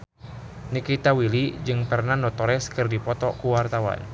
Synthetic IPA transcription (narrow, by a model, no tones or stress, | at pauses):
nikit̪awilid͡ʒɨŋpərnanɔt̪ɔɾɛskɨrdipɔt̪ɔkuwart̪awa̰n